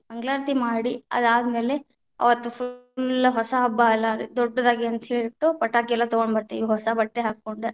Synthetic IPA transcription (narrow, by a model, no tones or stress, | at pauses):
bɐŋɡɭaːɾt̪imaːɽiɐ̰d̪aːd̪ɐme̞ːle̞ | ɐ̰ʋɐt̪ːupʰulɦɔsɐɐbːaɐlːɐd̪ɔɖːɐd̪aːɡiɐnt̪ɐɦeːɭiʈːupɐʈːaːkiɛlːɐt̪ɔɡoɳɖbɐɾt̪ːeiʋɦɔsɐbɐʈːeɦaːkːoɳɖu